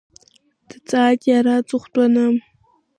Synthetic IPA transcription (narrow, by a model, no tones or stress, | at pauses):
d̥ɨt͡sʼaːkʲʼaɾat͡sʼɨχʷtʼɐnam